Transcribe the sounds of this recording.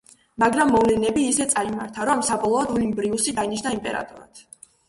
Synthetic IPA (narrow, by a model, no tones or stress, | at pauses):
maɡɾamːɔvlɛnɛbiːsɛt̪sʼaima̰ɾt̪ʰaɾɔmsabɔlˠɔɔd̪ɔlimbɾiusid̪ainiʃnaimpʼɛɾa̰t̪ʼɔɾa̰t̪ʰ